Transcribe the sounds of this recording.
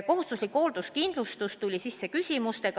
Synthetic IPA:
ko̞ɦust̪uslikːho̞ːld̪̥uskind̪̥lust̪ust̪ulʲisisːe̞kysʲimust̪e̞ɡ̥

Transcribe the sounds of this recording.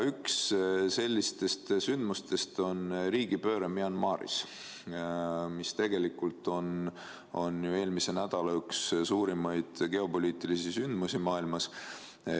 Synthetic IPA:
yksse̞lʲːist̪e̞st̪synd̪̥must̪e̞st̪o̞nɾiːɡ̥ipø̞ːɾemiɑnmɑːɾḭs | mist̪e̞ɡe̞likːult̪ˑo̞n | o̞̰njue̞ːlmise̞næd̪̥ɑlɑykssuːɾimɑjd̪̥ɡ̥e̞o̞po̞lʲiːt̪ˑilisisynd̪̥musimɑːilmɑs

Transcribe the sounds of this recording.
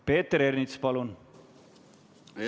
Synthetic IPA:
peːt̪ːəɾernit̪spɑlun

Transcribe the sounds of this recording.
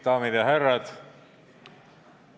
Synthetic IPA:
d̪̥ɑːmid̪̥jɑɦærːɑd̪̥

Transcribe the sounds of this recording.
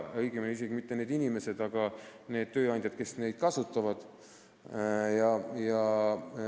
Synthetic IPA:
ɤjɡ̥emelis̬e̞ɡimit̪ːe̞ne̞ːd̪inʲime̞se̞d̪ɑɡ̥ɑne̞ːd̪̥t̪ø̞ːɑnd̪ʲjɑd̪̥̚ke̞sne̞jd̪̥kɑsut̪ˑːɑvɑd̪̥ | jɑjɑ

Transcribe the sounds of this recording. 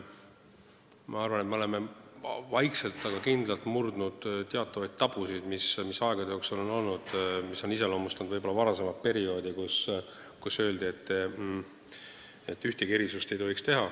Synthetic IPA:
mɑɑrvɑne̞t̪meo̞le̞mevɑjkse̞lt̪ːˑɑɡ̥ɑkind̪lɑlt̪murd̪̥nud̪̥t̪eɑt̪ːˑɑvɑjd̪̚t̪ɑb̥usid̪̥mismisɑeɡ̥ɑd̪eoːksulo̞no̞lnud̪̥misːo̞nise̞lo̞ːmust̪ɑnd̪vɤjbo̞lːɑvɑɾɑse̞mɑt̪̚pe̞ɾio̞ːd̪ikus | kusø̞ːld̪ie̞t̪ː | et̪ːˑyht̪ikeɾisust̪e̞jt̪o̞ɦikst̪e̞ɦɑ

